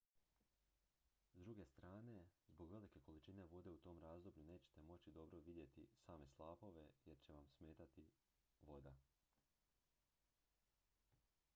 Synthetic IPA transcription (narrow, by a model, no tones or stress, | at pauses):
zd̪ɾuɡe̞st̪ɾaːne̞zbo̞ɡʋe̞like̞ko̞lit͡ʃine̞ʋo̞d̪e̞ut̪o̞ːmɾaːzd̪o̞bʎune̞ːt͡ɕe̥t̪e̞mo̞t͡ɕid̪o̞bɾoʋid̪je̞t̪ḭsaːme̞slˠaːpo̞ʋe̞jeɾt͡ɕe̞ʋamsme̞ːt̪at̪i | ʋo̞d̪a